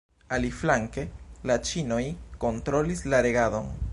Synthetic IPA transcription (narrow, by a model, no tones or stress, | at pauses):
aliflaŋke̞lat͡ʃino̞jko̞ntɾo̞lislaɾe̞ɡado̞̰n